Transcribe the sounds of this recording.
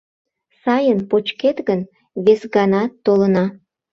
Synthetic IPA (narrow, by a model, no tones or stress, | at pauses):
sɑjənpot͡ɕket̪ɣən | βesɡɑnɑt̪ːolənɑ